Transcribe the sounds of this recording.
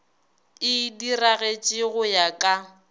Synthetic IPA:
ɪdiraɣet͡ʃʼɪɣʊjakʼa

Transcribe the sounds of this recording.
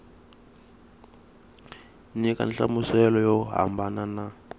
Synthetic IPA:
nika̰nɬamusɛlɔjɔɦa̰mbanana

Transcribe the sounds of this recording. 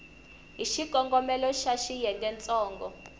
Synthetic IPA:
ɦiʃiɡ̥ʱɔŋɡɔmɛlɔʃaʃijɛŋɡɛnt͡sʼɔːŋɡɔ

